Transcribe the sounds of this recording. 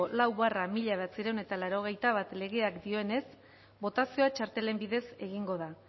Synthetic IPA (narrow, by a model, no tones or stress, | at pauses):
olawβaramiʎaβat͡siɾewne̞t̪alaɾo̞ɣ̞e̞jt̪aβat̪le̞ɣ̞e̞akd̪io̞ene̞s | bo̞t̪asio̞at͡ʃaɾt̪e̞le̞mbiðe̞se̞ɣiŋɡo̞ð̞a